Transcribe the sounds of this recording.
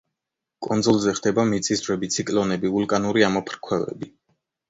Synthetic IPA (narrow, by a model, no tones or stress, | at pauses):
kʼɔnzɔlˠzɛχd̪ɛbamit̪sʼisvɾɛbit̪sʰikʼlɔnɛbiulˠkʼanuɾiamɔpʰɾkʰwɛvɛ̰bi